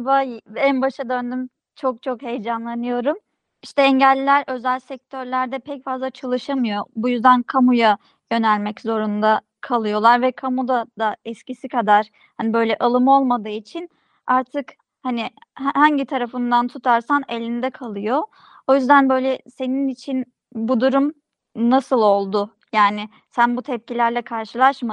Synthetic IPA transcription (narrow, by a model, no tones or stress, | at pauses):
vajænbaʃad̪ø̞nd̪ym | t͡ʃʰok̚t͡ʃʰo̞khe̞jd͡ʒanlˠanɯjo̞ɾum | iʃt̪ɛɛɲɟælʲːæɾʔø̞zælʲsɛc̚t̪ʰø̞ɾlʲæɾd̪ɛpʰɛcfazlˠat͡ʃʰalˠɯʃamɯjo̞bujyzd̪ænkʰamuja | jø̞nælʲmɛczo̞ɾund̪a | kʰalˠɯjo̞lˠaɾvɛkʰamud̪ad̪aɛscisikʰad̪aɾ̥ | hanibø̞jlʲɛʔalˠɯmo̞lˠmad̪ɯːit͡ʃʰin | aɾt̪ʰɯk | hanɪhhaɲɟit̪ʰaɾafɯnd̪ant̪ʰut̪ʰaɾsanelʲind̪ɛkʰalˠɯjo̞ | ojyzd̪ænbø̞jlʲɛse̞ninit͡ʃʰin | bud̪uɾum | nasɯlˠo̞lˠd̪ʊ | jaːnɪ | sænbut̪ʰɛp̚cilʲæɾlʲɛkʰaɾʃɯlˠaʃm